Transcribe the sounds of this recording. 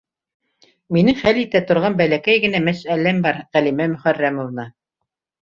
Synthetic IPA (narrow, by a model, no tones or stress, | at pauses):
minɘŋχælit̪æt̪ŏɾʁɑnbælækæjɡɘ̆næmæsælæmbɑɾʁælimæmɵ̆χærːæmŏvnɑ